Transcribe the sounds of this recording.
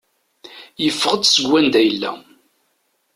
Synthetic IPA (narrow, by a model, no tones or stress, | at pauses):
jəfːəʁəd̪səɡʷːænd̪æjəlːæ̰